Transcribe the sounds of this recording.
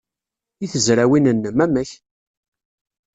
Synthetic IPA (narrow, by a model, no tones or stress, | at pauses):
iθəzɾæwinənːəmæməç